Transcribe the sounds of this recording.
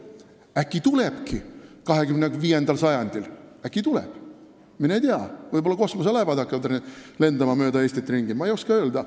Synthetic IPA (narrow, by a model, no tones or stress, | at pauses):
ækːˑit̪ule̞b̥kikɑɦekymneviːjend̪ɑlsɑjɑnʲd̪̥ilækːˑit̪ulḛb̥ | minejt̪eɑvɯjbolːɑko̞smoselævɑd̪ɑkːˑet̪rile̞nd̪ɑmɑmøːd̪̥ɑe̞ːsʲt̪it̪ːˑriŋɡimɑejo̞skɑø̞ːld̪ɑ